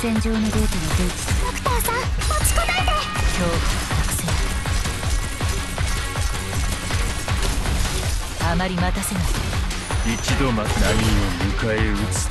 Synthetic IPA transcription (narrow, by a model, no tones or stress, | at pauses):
sẽ̞ɲ̟d͡ʑo̞ːnoɾʲeːkʲinid̪eːkokɯ̟̥t̪aːsãmat͡ɕi̥kanaid̪akʲʰoːkamakse | amaɾʲimat̪ase̞nasẽ | it͡ɕid̪o̞maknaijoɯkaeɯt͡sɨ̥